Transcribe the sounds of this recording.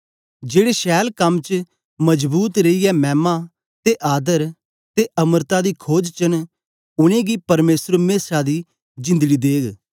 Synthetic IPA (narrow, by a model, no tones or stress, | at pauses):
d͡ʒeːɽeʃɛːlkɐmt͡ʃ | mɐd͡ʒbuːt̪ɾeiɛmɛːma | t̪eʔaːd̪əɾ | t̪eʔɐməɾt̪ad̪iːkʰoːd͡ʒt͡ʃən | ʊɽ̃ẽːɡiːpɐɾmeːsəɾmeːsad̪iː | d͡ʒɪ̃nd̪əɡiːd̪eːɡ